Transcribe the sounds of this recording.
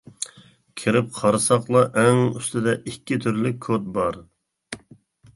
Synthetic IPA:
kʲʰiɾɪp̚qʰɑɾɨsɑqlˠɑʔɛŋyst̪ɪd̪ɛʔikʲːɪt̪ʰyɾlɪk̚ʲʰːot̪̚bɑɾ

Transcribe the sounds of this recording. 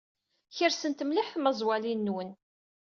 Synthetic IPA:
çəɾsənt̪mliħθməzˤwælinːwən

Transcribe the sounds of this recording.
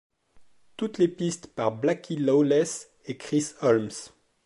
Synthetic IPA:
t̪ut̪lepist̪paʁblakʰʲilaolɛs | ekχisɔlms

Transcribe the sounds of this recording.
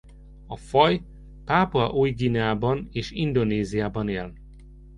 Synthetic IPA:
ɒfɒj | paːpɒʔuːjɡiːnaːbɒneːʃind̪o̞neːzijaːbɒneːl

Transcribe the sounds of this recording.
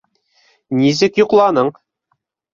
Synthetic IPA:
nizɘkjŏqlˠɑnɤɴ

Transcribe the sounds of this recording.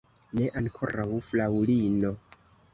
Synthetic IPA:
ne̞ʔaŋkʰo̞̰ɾawflawlino̞

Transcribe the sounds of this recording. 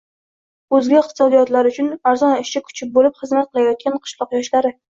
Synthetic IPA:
ɵzɡʲaɪqt̪ʰɨ̥sɒd̪ijɒt̪laɾʊt͡ʃʰʊnaɾzɒnɪʃt͡ʃʲakʰʊ̥t͡ʃʰɪp̚bolɪpχɨzmat̪̚qʰɨlajɒt̪̚kʲʰanqʰɨ̥ʃlˠɒqjɒʃlaɾɪ

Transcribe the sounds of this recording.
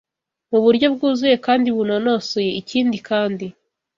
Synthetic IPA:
muβuɾɟo̞b̚ɡuːzuje̞kaːndiβunonosoje̞iciːndikaːndi

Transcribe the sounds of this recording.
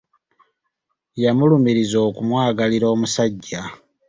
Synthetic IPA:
jamulumiɾizo̞ːkumwaːɡaliɾo̞ːmusaɟːa

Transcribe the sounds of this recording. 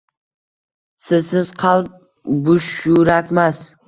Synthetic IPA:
sɪzsɪz̥qʰɑlˠp̚ | bʊʃʊɾakʲmas

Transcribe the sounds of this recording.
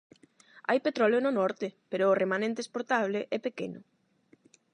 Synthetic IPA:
a̰jpet̪ɾɔljononɔɾt̪ɪpeɾʊːremanẽnt̪eːspoɾt̪aβ̞lɪʔɛpekḛnʊ̰

